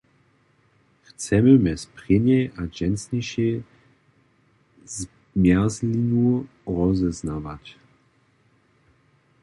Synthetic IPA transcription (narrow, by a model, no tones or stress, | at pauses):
xt͡sɛməmɛspʁɪɲɛʔaʒɛnsniʃɛ | z | mjɛzlinu | ʁɔzɛznavac